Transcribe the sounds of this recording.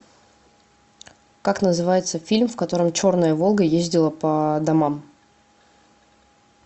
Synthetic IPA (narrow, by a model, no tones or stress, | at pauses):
kaknəzɨvajɪt̪səfʲilʲmfkɐt̪o̞ɾəmt͡ɕo̞rnəjəvo̞lˠɡəjezʲdʲɪlˠəpəd̪ɐmam